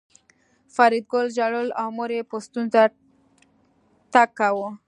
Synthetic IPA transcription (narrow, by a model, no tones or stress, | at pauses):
faɾid̪̚ɡolʒaɽəlawmoɾepost̪unza | ʈakːawo